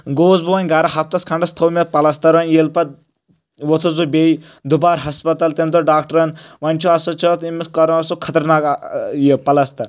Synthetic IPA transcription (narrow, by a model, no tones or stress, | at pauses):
ɡoːzbuʋɐnʲɡaɾɐɦɐp̚t̪ɐskʰɐɳɖɐst̪ʰɐwmʲɐt̪̚pɐlɐst̪ɐɾʋɐnʲjelpɐt̪̚ | ʋot̪ʰuzbubei | d̪ubaːɾɦɐspɐt̪ɐlt̪emd̪oɖaːk̚ʈɐɾɐnʋɐnʲt͡ʃʰuɐsɐt͡ʃʰot̪imɐskɐɾɐ̃ɐsokʰɐt̪ɐɾnaːkjepɐlɐst̪ɐɾ